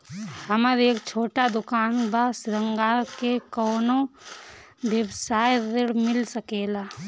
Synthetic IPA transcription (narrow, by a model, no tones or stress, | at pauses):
hɐməɾeːkt͡ʃʰoːʈad̪ʊkaːnbasɾəŋɡakekɔːnõ | beʋsaːjdeɽmɪlsəkeːlaː